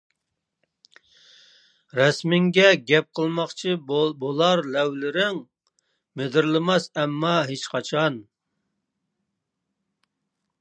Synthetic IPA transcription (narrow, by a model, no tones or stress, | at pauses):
ɾɛsmɪŋɡʲɛɡʲɛp̚qʰəlˠmɑχt͡ʃʰibolˠɑɾlɛwlɪɾɪŋ | med̪ɪɾlˠɪmɑsɛmːɑɦet͡ʃqʰɑt͡ʃʰɑn